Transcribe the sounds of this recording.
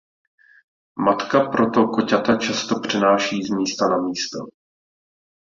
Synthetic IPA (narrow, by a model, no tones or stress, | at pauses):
mat̪kapɾo̞t̪o̞kocat̪at͡ʃast̪o̞pr̥ɪnaːʃiːzmiːst̪anamiːst̪o̰